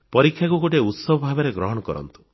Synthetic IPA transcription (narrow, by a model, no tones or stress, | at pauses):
pɔɾikʰjakuɡoʈeut̪sɔbʱɔbʱabeɾeɡɾɔɦɔɽ̃ɔkɔɾɔ̰nt̪u̥